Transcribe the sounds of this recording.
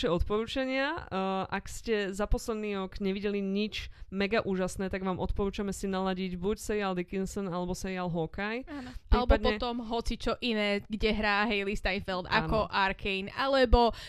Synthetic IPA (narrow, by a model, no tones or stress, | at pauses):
ʃɛɔt̪pɔɾuːt͡ʃaɲɪaʔakscɛzapɔslɛd̪niːɾɔkɲɛʋiɟɛliɲit͡ʃmɛɡaʔuːʒasnɛːt̪aɡʋaːmʔɔt̪pɔɾuːt͡ʃamɛsinalaɟiɟbucsɛiald̪ikinsɔnalɛbɔsɛialɦɔkajaalɛbɔd̪pɔɛt̪ɔmɦɔt͡sit͡ʃɔʔinɛːɡɟɛɦɾaːɦɛjlist̪ajnfɛld̪a̰kɔʔaɾkʰɛjnalɛbɔ